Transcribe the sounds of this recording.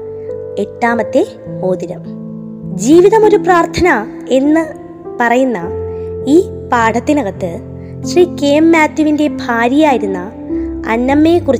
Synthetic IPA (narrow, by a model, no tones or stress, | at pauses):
e̞ʈːaːmɐt̪ːe̞ | o̞ːðiɾɐm | d͡ʑiːʋiðɐmo̞ɾupraːrt̪ʰɐnɐ | e̞nːɨ | pɐrɐjunːɐiː | paːʈʰɐt̪ːinɐɣɐt̪ːɨ | ɕriːkeːmːaːt̪ːuʋinde̞bʱaːɾjaːjiɾunːɐ | ɐ̰nːɐmːe̞ːkurit͡ɕː